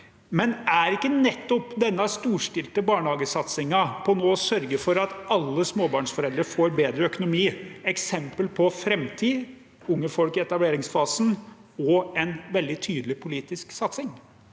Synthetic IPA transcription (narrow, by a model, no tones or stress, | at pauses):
mɛnæɾɪkːənɛt̪ːɔpd̪ɛnːəst̪uːʂʈɪlt̪əbɑːɳhɑːɡəsɑt̪sɪŋɑpʰɔnoːɔsœɾɡəfɔɾɑt̪ɑlːəsmoːbɑːɳʂfɔɾɛld̪ɾəfoːɾbeːd̪ɾəœkʊnʊmiːɛksɛmpəlpʰɔfɾɛmt̪ʰiː | ʊŋːəfɔlkɪɛt̪ɑbleːɾɪŋsfɑːsn̩ | ɔɛnʋɛld̪ɪt̪ʰyːd̪əlɪpʰʊliːt̪ɪsksɑt̪sɪŋ